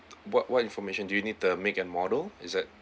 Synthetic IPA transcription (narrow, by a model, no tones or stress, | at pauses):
wɔt̚wɔtĩnfɔmeʃə̃ndujunid̚tumekɛ̃nmɔdəlisdɛt̚